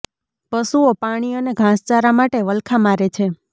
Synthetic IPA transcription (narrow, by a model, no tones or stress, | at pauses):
pəsuopaɽ̃iəneɡʱãst͡ʃaɾamaʈeʋəlkʰamaɾet͡ʃʰe